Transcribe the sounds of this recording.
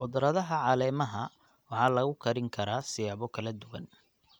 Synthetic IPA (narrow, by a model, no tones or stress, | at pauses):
ʔʊd̪ɾɐðɐɦɐʕɑlɛːmɐɦɐ | wɑħɑːlɐɣʊkʰɐɾɪŋkʰɐɾaːsɪjɑβɔkʰɐlɐd̪ʊwɐ̰n